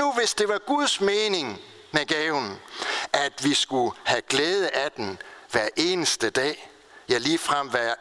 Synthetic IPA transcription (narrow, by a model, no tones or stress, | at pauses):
uʋe̝sd̥e̝ʋɑ̈ɡ̥uð̞ˠsmeːne̝ŋ | meɡ̥ɛʊn̩ʔæd̥ʋisɡ̥uhæɡ̥leːð̞ˠəʔæd̥enʋæɐʔe̝ːnəsd̥əd̥ɛ̰ː | jɑliːfʁam̰ʋæ